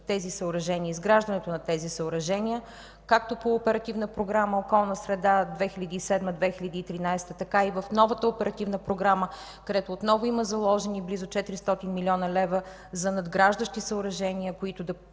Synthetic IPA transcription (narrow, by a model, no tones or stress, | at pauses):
t̪ɛzisəʊɾɐʒɛnʲiəizɡɾaʒd̪ɐnɛt̪onɐt̪ɛzisəʊɾɐʒɛniə | kak̚t̪opoːpɛɾɐt̪ivnəpɾoɡɾaməokɔlˠnəsɾɛd̪ad̪vɛxiʎʲɐd̪iːsɛd̪məd̪vɛxilʲɐd̪iːt̪ɾinajst̪ət̪ɐkaivəfnɔvət̪əopɛɾɐt̪ivnəpɾoɡɾamə | kɐd̪ɛt̪oːt̪nɔvʊiməzɐlˠɔʒɛniblizʊt͡ʃɛt̪iɾist̪ɔt̪inmilʲiɔnəlɛvə | zɐnɐd̪ɡɾaʒd̪əʃt̪isəʊɾɐʒɛniəkoit̪ʊd̪ɐ